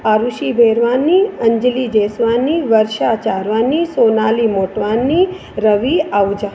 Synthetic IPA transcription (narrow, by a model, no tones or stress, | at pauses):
aɾuʃibʱeɾʋanːiəɲd͡ʒlid͡ʒesʋanːiʋəɾʃat͡ʃaɾʋanːisonalimoʈʋanːi | ɾəʋiaʋd͡ʒa